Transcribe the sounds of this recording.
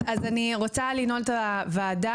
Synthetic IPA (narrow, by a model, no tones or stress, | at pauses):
azaniʁot͡salinoltavaːda